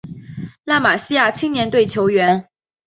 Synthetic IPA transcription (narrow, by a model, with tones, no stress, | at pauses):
la˥˩ma˨˩ɕi˥ja˥˩t͡ɕʰi˥ŋnjɛ˧˥nt̪we˥˩ɪt͡ɕʰjo˧˥ʊɥɛ˧˥n